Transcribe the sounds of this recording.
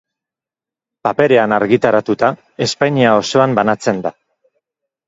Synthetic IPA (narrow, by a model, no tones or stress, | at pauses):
pape̞ɾe̞anaɾɣit̪aɾat̪ut̪a | e̞spajɲiao̞so̞ambanat͡se̞nd̪a